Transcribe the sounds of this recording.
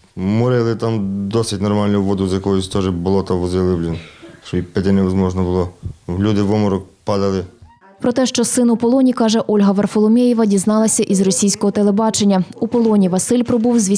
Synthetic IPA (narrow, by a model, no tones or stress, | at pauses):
mʊɾɪlˠɪt̪amd̪ɔsɪtʲnɔrmɑlʲnʊʋɔd̪ʊzjɐkɔjʊsʲt̪ɔʒɪbʊlˠɔt̪ɐʋɔzɪlˠɪblʲɪnt͡ʃɔipɛd̪ɛnɛʋɐzmɔʒnɔbʊlˠɔwlʲud̪ɪʋɔmɔɾɔkpɑd̪ɐlˠɪ | pɾɔt̪ɛʃt͡ʃɔsɪnʊpɔlˠɔnʲikɑʒɛʔɔlʲɦɐʋɐrfɔlˠɔmʲejiʋɐdʲiznɑlˠɐsʲɐʔizrɔsʲijsʲkɔɦɔt̪elˠebɑt͡ʃenʲːɐupɔlˠɔnʲiʋɐsɪlʲpɾɔbuwzʲʋʲi